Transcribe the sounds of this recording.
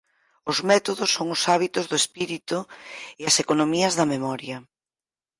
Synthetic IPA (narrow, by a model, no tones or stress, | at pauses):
ʊzmɛt̪oðʊsːoŋʊsaβit̪ʊzðʊespiɾit̪ʊɪɐsekonomiɐzðɐmemɔɾjɐ